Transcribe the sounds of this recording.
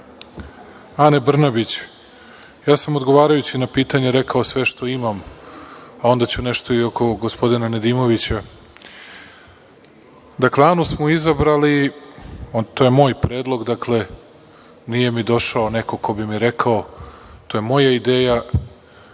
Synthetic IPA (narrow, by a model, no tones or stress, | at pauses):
ane̞br̩nabit͡ɕ | jaːsamod̪ɡo̞ʋaːɾajut͡ɕinapiːt̪aɲeɾe̞kaosʋe̞ʃt̪o̞imam | ao̞nd̪at͡ɕuneʃt̪o̞io̞ko̞ɡospo̞d̪inaned̪imo̞ʋit͡ɕa | d̪akleanusmoizabɾali | t̪o̞jemo̞ːjpɾe̞ːd̪lˠo̞ɡd̪akle̞ | nije̞mid̪o̞ʃaoneko̞ko̞bimiɾekʰaot̪o̞je̞mo̞jaid̪eːja